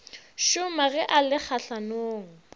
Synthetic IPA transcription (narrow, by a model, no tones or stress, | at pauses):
ʃʊmaɣɛʔalɪk͡xʰaɬanoːŋ̩